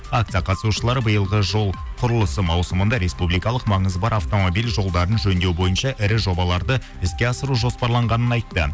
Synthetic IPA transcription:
akt̪sɨjɑqʰɑt̪əsuʃəlˠɑɾbəjəlˠʁəʒo̞lˠ | qʰʊɾəlˠəsəmɑwsəmənd̪ɑɾe̞spublijkɑlˠəqmɑɴəzbɑɾɑft̪o̞mo̞bijlʒo̞lˠd̪ɑɾənʒɵnd̪e̞wbo̞jənʃɑʔɪɾɪʒo̞bɑlˠɑɾd̪ə | ɪskʲe̞ɑsəɾuʒo̞spɑɾlˠɑɴʁɑnənɑjt̪ːə

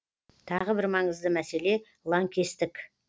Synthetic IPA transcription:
t̪ʰɑʁəbɪɾmɑɴəzd̪əmæse̞le̞ | lˠɑŋkʲʰe̞st̪ɪk

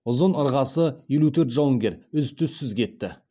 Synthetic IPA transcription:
ʊzənəɾʁɑsəje̞lut̪ʰɵɾt̪ʒɑwəŋɡʲe̞ɾʏzt̪ʰʏsːʏzkʲʰe̞t̪ːɪ̰

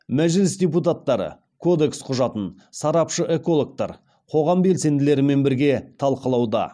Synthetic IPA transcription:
mæʒɪlɪsd̪ʲe̞p̬ut̪at̪ːɑɾə̰ | kʰo̞d̪e̞ksqʰʊʒɑt̪ən | sɑɾɑpʃəʔe̞ko̞lˠok̚t̪ɑ̰ɾ | qʰo̞ʁɑmbe̞lse̞nd̪ɪle̞ɾɪme̞nbɪɾɡʲe̞t̪ʰɑlˠqəlˠɑwd̪ɑ̰

